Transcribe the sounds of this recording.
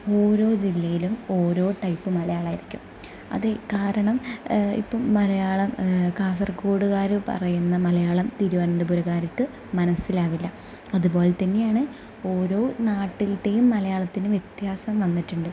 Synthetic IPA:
o̞ːɾo̞ːd͡ʑilːɐjilumo̞ːɾo̞ːʈɐjpːɨmɐlɐjaːɭaːjiɾikʲːum | ɐ̰ðekaːɾɐɳɐmḭpːoːɐlɐjaːɭɐmkaːsɐrkoːɽuɣaːɾɨpɐ̰rɐjunːɐmɐlɐjaːɭɐmt̪iːɾuʋɐnɐndebuɾɐɣaːɾɐkːɨ | mɐnɐsilaːʋilːɐ | ɐðupo̞ːlet̪ɐnːe̞jaːɳɨ | o̞ːɾo̞ːnaːʈːilde̞jumːɐlɐjaːɭɐt̪ːinɨʋjet̪jaːsɐmʋɐnːiʈːuɳɖɨ

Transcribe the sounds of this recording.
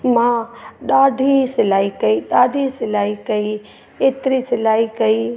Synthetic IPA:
mãɗaːɖʱisɪlaːikəiɗaːɖʱisɪlaːikəi | et̪ɾisɪlaːikəi

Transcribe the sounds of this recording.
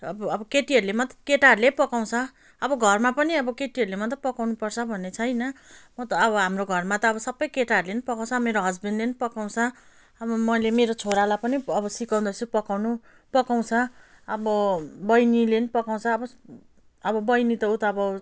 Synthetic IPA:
ʌbʌʌbʌkeʈiɦʌɾulemʌt̪ʌkeʈarlepʌkaw̃t͡sʰʌː | bʌɡʱʌrmapʌniʌbʌkeʈiʌɾulemʌt̪ʌpʌkawnupʌrt͡sʰʌbʱʌnːet͡sʰʌjnʌmʌt̪ʌːbʌɦamroɡʱʌrmat̪ʌːbʌsʌbʌjkeʈaʌɾulenipʌkaw̃t͡sʰʌbmeɾoɦʌd͡zbʌndlenipʌkaw̃t͡sʰʌ | ʌbʌmʌjlemeɾot͡sʰoɾalapʌniʌbʌsikaw̃nd̪ʌsupʌkawnu | pʌkaw̃t͡sʰʌ | ʌbʌbʌjnilenipʌkaw̃t͡sʰʌːbʌ | ʌbʌbʌjnit̪ʌut̪ʌːbʌ

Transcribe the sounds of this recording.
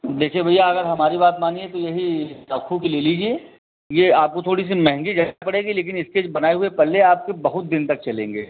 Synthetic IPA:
d̪eːkʰiebʱɐijaɐɡəɾɦɐmaːɾibaːt̪maːniet̪ojɐɦiɾɐkʰũkileliːd͡ʒie | jeaːp̚kot̪ʰoːɽis̬imɛɦɛ̃ŋɡid͡ʒɐpɐɽeːɡileːk̬ɪnɪskebɐnaːeɦʊepɛleaːp̚kebɐɦʊt̪̚d̪ɪnt̪ɐk̚t͡ʃɐlẽːŋɡeː

